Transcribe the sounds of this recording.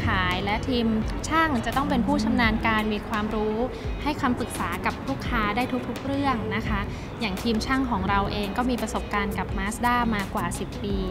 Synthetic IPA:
kʰaː˩˦jlɛ˦˥t̪ʰiː˧mt͡ɕʰaː˥˩ŋt͡ɕa˨˩t̪ɔ˥˩ŋp̬e˧npʰuː˥˩t͡ɕʰa˧mnaː˧nkaː˧nmiː˧kʰwaː˧mɾuː˦˥ | ha˥˩jkʰwaː˧mpɯ˨˩k̚saː˩˦ka˨˩p̚ɾuː˥˩kʰːaː˦˥daː˥˩jt̪ʰu˦˥k̚t̪ʰu˦˥k̚ɾɯ˥˩əŋna˦˥kʰa˦˥ | jaː˨˩ŋt̪ʰiː˧mt͡ɕʰaː˥˩ŋkʰɔː˩˦ŋɾa˧wʔeː˧ŋkɔː˥˩miː˧pɾa˧so˨˩p̚kaː˧nka˨˩p̚maː˦˥sdaː˥˩jmaː˧kwaː˨˩si˨˩pːiː˧

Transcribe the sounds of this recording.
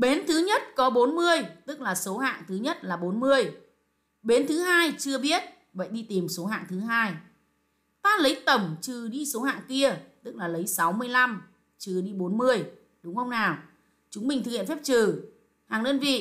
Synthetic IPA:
ɓe˨˦nt̪ʰɨ˨˦ɲə˦˥t̚kɔ˨˦ɓo˨˦nmɨ˧əjt̪ɨ˦˥k̚laː˨˩so˨˦ɦa̰ː˧˨ŋt̪ɨ˨˦ɲə˦˥t̚laː˨˩ɓo˨˦nmɨ˧əj | ɓe˨˦nt̪ʰɨ˨˦ɦaː˧jt͡ɕɨ˧əɓi˦˥ət̚ | və̰˧˨jɗi˧t̪i˨˩mso˨˦ɦa̰ː˧˨ŋt̪ʰɨ˨˦ɦaː˧j | t̪aː˧lə˨˦jt̪ə˨˩mt͡ɕɨ˨˧˩ɗi˧so˨˦ha̰ː˧˨ŋki˧ət̪ɨ˦˥k̚laː˨˩lə˨˦jsa˨˦wmɨ˧əjla˧m | t͡ɕɨ˧˩ɗi˧ɓo˨˦nmɨ˧əj | ɗʊ˨˦ŋ͡mxə˧wŋ͡mnaː˨˩w | t͡ɕʊ˨˦ŋ͡mmï˨˩ŋ̟t̪ɨ˨˩khḭ˧˨˩fɛ˦˥p̚t͡ɕɨ˨˩ | haː˨˩ŋnəː˧nvḭ˧˨

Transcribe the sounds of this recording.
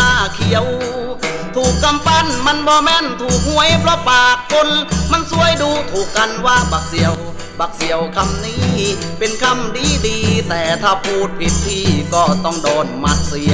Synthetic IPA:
aː˧˩kʰi˨˩əw | t̪ʰuː˨˩kːa˧mpa˧˥˨nma˧˥˨nbɔː˧mɛː˧˥˨nt̪ʰuː˨˩k̚hu˧˩əjpɾɔ˧˥paː˨˩k̚ʰːo˧˥nma˧˥˨nsu˧˥˨əjduː˧t̪ʰuː˨˩kːa˧nwaː˧˥˩baː˨˧˩k̚si˨˦əw | baː˨˧˩k̚si˨˩˦əwkʰa˧mniː˦˧˥ | pe˧nkʰa˧˥˨mdiː˧˥˩diː˧t̪ɛː˨˧˩t̪ʰaː˧˩pʰuː˧˩t̪̚pʰi˨˧˩t̪̚ʰːiː˧˩kɔː˧˩t̪ɔ˧˩ŋdɔː˨˩nma˧˥t̪̚si˧

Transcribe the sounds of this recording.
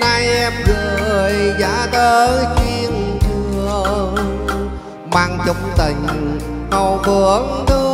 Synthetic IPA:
na˧jʔɛ˧mɣəː˨˩jza̰ː˧˥ɗəː˧t͡ɕwi˧əŋt͡ɕɨ˧ə | maː˧˩ŋt͡ɕʊ˨ŋ͡m̚t̪ï˨˩ŋ̟ | ŋo˧˩wvɨ˧˩əɗɨ˧

